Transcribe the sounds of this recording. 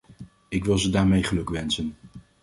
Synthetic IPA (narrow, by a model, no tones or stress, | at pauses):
ɪkʋɪlˠzədaːɹmejχəlɵkʋɛnsən